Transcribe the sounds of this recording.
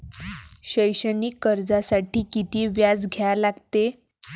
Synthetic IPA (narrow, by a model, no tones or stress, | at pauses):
ɕəjɕəniːkːəɾd͡zasaʈiːkit̪iːʋjad͡zɡʱjalaɡt̪e